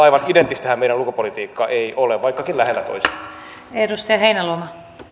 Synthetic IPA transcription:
ɑiʋɑnident̪ːˑist̪ehæmeijɾælukupolit̪iːkːɑʔeiʔoleʋʋɑikːɑkinlæhelːæt̪o̰ise̥ | edust̪ɑjɑɦeinælomɑ

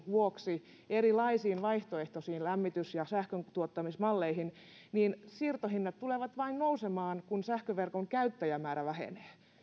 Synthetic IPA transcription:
ʋuoksi | erilɑisiːnʋɑiht̪oeht̪osiːnlæmːit̪ysjɑsæhkønt̪uot̪ːɑmismɑlːeihin | niːnsiːrt̪ohinːɑt̪t̪uleʋɑt̪ʋɑinnousemɑːnkunsæhkøʋerkoŋkæyt̪ːæjæmæːɾæʋæhḛneː

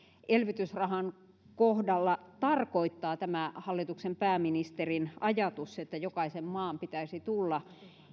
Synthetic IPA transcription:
ʔelʋit̪ysrɑhɑn | kohdɑlːɑt̪ɑrkoit̪ːɑːt̪æmæhɑlːit̪uksempæːminist̪erinɑjɑt̪uset̪ːæjokɑisemmɑːmpit̪æisit̪ulːɑ

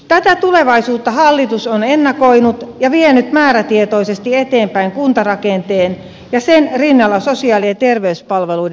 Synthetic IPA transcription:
t̪æt̪æt̪uleʋɑisuːt̪ːɑhɑlːit̪usonenːɑkoinut̪jɑʋienyt̪mæːɾæt̪iet̪oisest̪iet̪eːmpæiŋkunt̪ɑrɑkent̪eːn | jɑsenrinːɑlːɑsosiɑːlient̪erʋeyspɑlʋelui

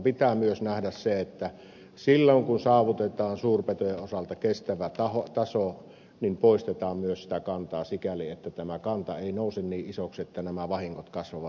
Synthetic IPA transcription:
pit̪æːmyøsnæhdæsseet̪ːæ | silːoŋkunsɑːʋut̪et̪ɑːnsuːrpet̪ojeʔʔosɑlt̪ɑkest̪æʋæt̪ɑhot̪ɑso | nimpoˑist̪et̪ɑːmmyøssi̥t̪ækɑnt̪ɑːsikæliet̪ːæt̪æmækɑnt̪ɑeˑinoˑusenniːʔʔisokset̪ːænæmæʋɑhiŋːot̪kɑsʋɑʋɑ

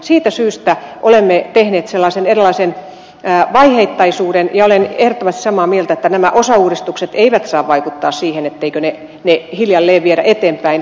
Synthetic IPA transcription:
siːt̪æsyːst̪æʔolemːet̪ehneːt̪selːɑːˑsenerilːˑɑisen | ʋɑiheit̪ːɑisuːɾenjɑolenehrŏt̪ːoʋɑst̪i̥sɑmɑːmielt̪æet̪ːænæmæʔosɑuːrist̪ukset̪eiʋæt̪sɑːʋʋɑikut̪ːɑːssiːhenet̪ːeikøne | nehiljɑlːeːʋʋieɾæ̰ʔet̪eːmpæin

